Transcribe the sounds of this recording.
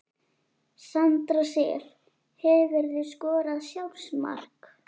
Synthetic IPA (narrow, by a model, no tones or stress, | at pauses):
sant̪ɾasɛ̰l | hɛvɛɾðɪskɔːɾaðsjawsma̰r̥k